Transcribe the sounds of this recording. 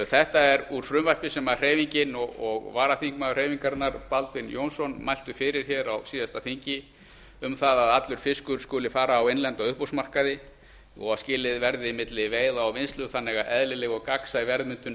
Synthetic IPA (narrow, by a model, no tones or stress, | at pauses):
θɛht̪aɛɾuɾ̥fɾʏmvar̥pɪsɛmar̥eːjviɲcɪnɔɣɔɣvaːɾaθiŋkmaɣʏr̥eːjviŋkaɾnːaɾ̥palt̪vɪnjownsɔnmajl̥t̪ʏfɪɾɪɾ̥çɛːɾawsiːðast̪aθiɲ̥cɪ | ʏmθaðaðat̪lʏɾ̥fɪskʏɾskʏːlɪfaːɾaːwejnlɛnt̪ɔʏhposmar̥kaðɪ | ɔ̰ɣascɪːlɪðvɛɾðɪːmɪt̪lɪveːjðaɔvɪnst̪lʏθanːɛɣaʔɛðlɪlɛɣɔɣkaksaivɛɾðmʏnt̪ʏn